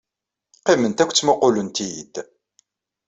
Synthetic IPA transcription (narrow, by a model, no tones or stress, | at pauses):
qimənt̪ækʷt͡sːmoqʊlənt̪ijd̪̥